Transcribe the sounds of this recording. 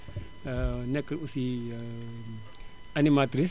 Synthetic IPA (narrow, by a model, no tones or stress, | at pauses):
nekusi | animat̪ɾis